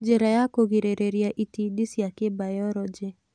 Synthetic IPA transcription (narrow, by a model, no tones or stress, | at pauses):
d͡ʒeɾajakoɣiɾeɾeɾiaʔitidisiakɪbajɔɾɔd͡ʒɪ